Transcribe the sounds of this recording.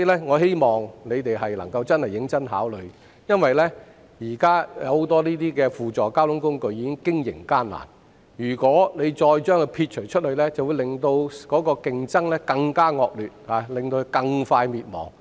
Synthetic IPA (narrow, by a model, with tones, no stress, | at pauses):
iː˨˧lɛː˥ŋɔː˨˧he˥jmɔː˨ŋne˨˧jt̪e˨jɦɐ˨jlɐ̰˨˩ŋkɐ˧wt͡sɐ˥nhɐ˨˩jːɪ˨˥ŋt͡sɐ˥nɦaː˨˥wlɵ˨˧ɥ | jɐ˥nwɐ˨jlɛː˥ | jiː˨˩kaː˥jɐ̰˨˧who˨˥wt̪ɔː˥niː˥t̪iː˥kɛː˧fuː˨˩t͡ʃɔː˨˩kaː˥wt̪ʊ˨˥ŋkʊ˥ŋkɵ˧ɥjiː˨˧kɪ˥ŋkɪ˥ŋjɪ̰˨˩ŋkaː˥nla̰ː˨˩n | jyː˨˩kʷɔː˨˥ne˨˧jt͡ʃɔː˧jt͡ʃœː˥ŋkɔ˧pʰiː˧t̚t͡ʃʰɵ˨˩ɥt͡ʃʰɵ˥t̚hɵ˧ɥlɛː˥t͡sɐ˨wu˨˧jlɪ˨ŋt̪o˧wkɔː˨˥kɔː˧kɪ˨ŋt͡sɐ˥ŋlɛː˥kɐ˧ŋkaː˥ŋɔː˧k̚lyː˨t̚ha˨˧lɪ˨˩ŋt̪o˧kɐ˧ŋfaː˧jmiː˨t̚mɔ̰ː˨˩ŋ